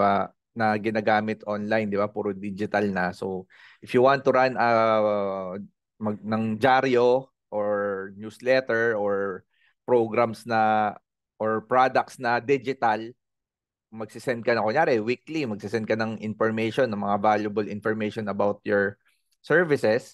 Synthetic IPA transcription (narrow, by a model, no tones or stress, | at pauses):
ba | nɐɡɪnaːɡaːmɪt̪ʔonlajnd̪ɪbapuːɾod̪id͡ʒɪt̪ɐlnɐso | ʔɪfjʊwãnt̪ːʊɾanɐ | mɐɡnɐŋd͡ʒaɾjo | ʔoɹnjuslɛt̪ɛɹʔoɹ | pɾoɡɾɐmsnɐ | ʔoɹpɹad̪ɐk̚t̪snɐd̪id͡ʒɪt̪ɐl | mɐɡ̚sɪsɛnd̪̚kɐnɐkonjaːɾɛwiklimɐɡ̚sɪsɛnd̪̚kɐnɐŋʔɪnfɔɹmejʃɔnːɐŋmɐŋavaljʊbɐlɪnfɔɹmejʃonɐbawt̪̚jɔɹ | sɛɹvɪsɛs